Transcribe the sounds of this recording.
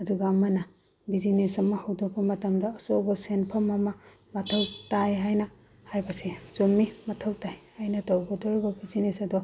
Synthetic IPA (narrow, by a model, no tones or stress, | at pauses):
ɐduɡɐɐmɐnɐ | bizinesɐmɐhɐwdok̚bɐmɐtɐmdɐːsowbɐsenpʰɐmɐmɐ | mɐtʰɐwtajɦajnɐ | hajbɐsezumːimɐtʰɐwtajhajnɐtowɡɔdɔɾibɐbizinesɐdu